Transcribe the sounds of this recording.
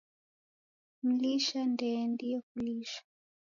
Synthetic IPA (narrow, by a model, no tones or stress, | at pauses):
m̩liʃandɛndijɔkuliʃḁ